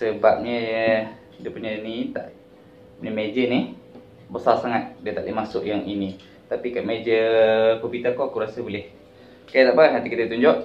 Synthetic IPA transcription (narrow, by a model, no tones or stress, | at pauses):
səbap̚ɲəjə | dəpunənit̪a̰ʔ | puɲəmed͡ʒənih | bəsasaŋat̪̚diət̪aʔlimasʊʔjaŋini | t̪apikaʔmed͡ʒəkopit̪akoakuɾasəbolɛh | kajat̪aʔbaɣahant̪ikit̪ət̪uɲd͡ʒɔʔ